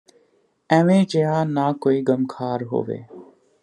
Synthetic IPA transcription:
ɛ̃ːʋẽːd͡ʒeɦãːnaːkoːiːɡəmkʰaːɾɦo̰ːʋḛː

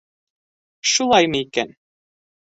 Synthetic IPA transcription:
ʃulˠɑjmɤikæn

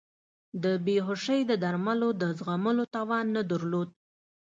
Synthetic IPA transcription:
d̪əbeɦʊʃəjd̪əd̪aɾmalod̪əzɣaməlot̪ɑwɑnːəd̪əɾlod̪̚

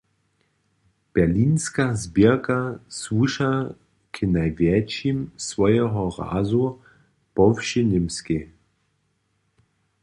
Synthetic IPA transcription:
b̥ɛɐliːnskazbikaswuʃa | kʰɪnajvjɛt͡ʃimsvɔjɛɦɔʁa̰ːzu | pɔfʃinɪmskɪ

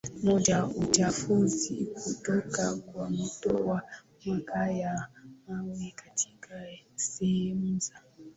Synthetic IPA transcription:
mɔd͡ʒaut͡ʃafuzḭkutɔkakwamutɔwa | makajamawikatʰi̥kʰasɛɛm̩za

